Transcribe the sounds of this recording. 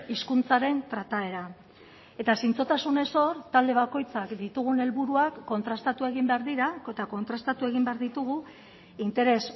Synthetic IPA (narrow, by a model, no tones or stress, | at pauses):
iskunt͡saɾe̞nt̪ɾat̪ae̞ɾa | e̞t̪asint͡so̞t̪asune̞so̞ɾt̪ald̪e̞β̞ako̞jt͡sakd̪it̪uɣ̞une̞lβuɾuakːo̞nt̪ɾast̪at̪ue̞ɣ̞imbe̞aɾðiɾaket̪ako̞nt̪ɾast̪at̪ue̞ɣimbe̞aɾðit̪uɣ̞u | int̪e̞ɾe̞s